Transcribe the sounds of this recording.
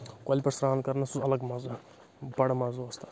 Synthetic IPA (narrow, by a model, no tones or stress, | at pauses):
kolʲpɐɾsɾaːnkɐɾnɐsuɐlɐɡmɐz | bɐɽmɐzost̪ḁ